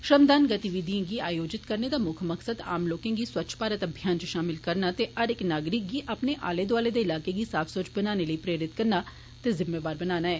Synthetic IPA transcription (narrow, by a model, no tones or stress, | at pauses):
ʃəmd̪aːnɡət̪iʋid̪ijãːɡiːaːjoːd͡ʒɪt̪kəɾneːd̪aːmʊkʰməksəd̪a̰ːmloːkẽːɡiːswəːt͡ʃʰpaːɾət̪əbʱijaːnt͡ʃəʃaːmɪlkəɾnaːt̪eːəɾɪknaːɡɾɪk̚ɡiːʔapneʔa̰ːleːd̪aːleːd̪eːɪlaːkeːɡiːsaːpʰsoːt͡ʃbənaːneləiːpɾeːɾɪt̪kəɾnaː | t̪eːzɪmeːbaːɾbənaːnaːɛː